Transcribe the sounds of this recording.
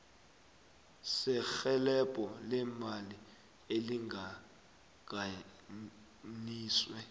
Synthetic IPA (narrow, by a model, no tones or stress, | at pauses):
sɛxɛlɛpʼɔlɛmali | eliŋɡʱa | ɡ̥ʱa | niːswɛ